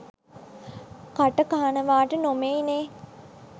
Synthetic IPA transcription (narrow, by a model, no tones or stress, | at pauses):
kaʈəkaːnəʋaːʈənomeineː